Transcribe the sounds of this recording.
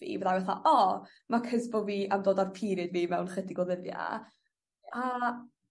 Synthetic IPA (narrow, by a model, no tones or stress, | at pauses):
vḭːvəðawɛθa̰ʔɔ | makʰəzbʊviːʔamdoːdarpʰiːɾɨdviːmɛwnχədɪɡwɔðəðja̰ | a